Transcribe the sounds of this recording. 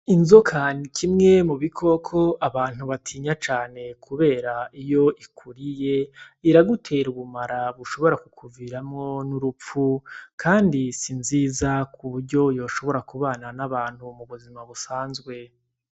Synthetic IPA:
inzokʰanikʰimŋe̞muβikʰo̞kʰo̞aβaːn̥huβatʰiːɲat͡ʃaːne̞kʰuβe̞ːɾaijo̞ʔikʰuɾije̞iɾaɡutʰe̞ɾuβumaɾaβuʃo̞βo̞ɾakukʰuviɾamŋo̞nuɾup͡fukʰaːndisinziːzakʰuβuɾɟo̞jo̞ːʃo̞βo̞ɾakuβaːnanaβaːn̥humuβuzimaβusaːnzɡwe̞

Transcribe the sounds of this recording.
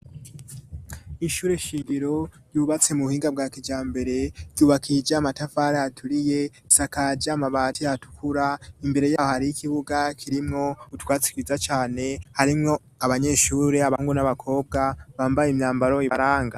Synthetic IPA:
iʃuːɾeʃiɡiɾo̞ | juβat͡se̞muuhiːŋɡabɡaːkid͡ʒaːmbe̞ɾe̞ɾɟuːβakʰid͡ʒamatafaɾajatʰuɾije̞ | isakad͡ʒamaβatiatu̥kʰuɾaimbe̞ɾe̞jaːhohaɾiikiβuɡakʰiɾimŋo̞utwaːt͡si̥kiizat͡ʃaːne̞haɾimŋo̞ | aβaɲe̞ːʃuːɾe̞aβauŋɡunaβakʰo̞ːb̚ɡaβaːmbajemɲaːmbaɾo̞iɾaːŋɡa

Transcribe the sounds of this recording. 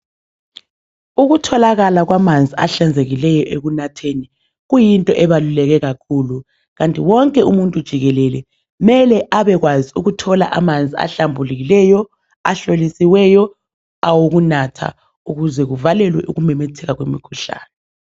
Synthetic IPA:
uɣutʰɔlaɣalaɣwamand͡zʱiaɬand͡zʱeɣilɛjɔʔeɣunatʰeni | ɣujintʼɔʔɛβalulɛɣɛɣakʰuːlu | ɣantʼiwɔŋkʼɛumuntʼud̥ʒ̥ʱiɣɛlɛlɛ | mɛlɛʔaβɛɣwaziuɣutʰɔla̰ʔamand͡zʱia̰ɬambʱuliɣilɛjɔ | a̰ɬolisiwɛjɔ | awoɣunatʰa̰ | uɣuzɛɣuvalɛlwɛ̰ʔuɣumɛmetʰɛɣaɣwḛmḭkʰuɬa̰ːnɛ

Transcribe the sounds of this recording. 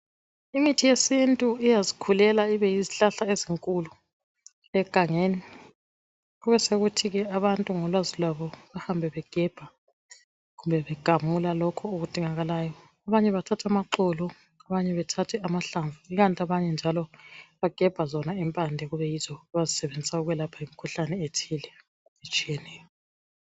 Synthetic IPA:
imitʰijesintʼuijazikʰulɛlaiβɛjiziɬaɬaeziŋkʼulu | ɛɡ̥ʱaŋeːni | ɣuβɛseɣutʰiɣɛaβantʼuŋɔlwazilwaβɔβahambʱɛβɛɡ̥ʱɛb̥ʱa | ɣumbʱɛβɛɡ̥ʱamulalɔkʰɔoɣud̥ʱiŋaɣalaːjɔ | aβaɲɛβatʰatʰamaǃɔlɔ | aβaɲɛβɛtʰatʰɛamaɬaɱvʱuiɣantʼiaβaɲɛnd͡ʒʱalɔβaɡ̥ʱɛb̥ʱazɔnaimpʼandʱɛɣuβɛjiz̥ɔaβazisɛβend͡zʱisauɣuwɛlapʰaimikʰuɬanɛetʰilɛ | et͡ʃʼijɛnɛːjɔ

